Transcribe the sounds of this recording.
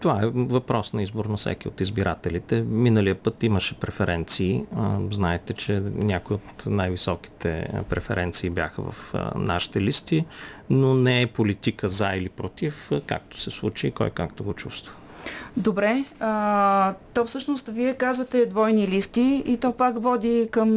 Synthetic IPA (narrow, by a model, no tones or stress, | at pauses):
t̪ovaɛvɐpɾɔsnɐizboɾnɐfsɛ̰kiot̪izbiɾʔat̪ɛlit̪ɛminəlijəpɤt̪iməʃɛpɾɛfɛɾɛnt̪siːznaɛt̪ɛt͡ʃɛnʲakojot̪najvisɔki̥t̪ɛ̰pɾɛfɛ̰ɾʔɛnt̪siːbjaxə̰vɐ̰fna̰ʃi̥t̪ɛlist̪inonɛɛpolit̪ikəzailipɾot̪ifka̰k̚t̪o̥sɛslˠut͡ʃiːkɔ̰jkakt̪oɡot͡ʃust̪v̥ə̥ | d̪obɾɛə | t̪ɔfsɤʃnost̪viɛkazvət̪ɛd̪vɔjnilist̪iit̪ɔpakvɔd̪ʲikəm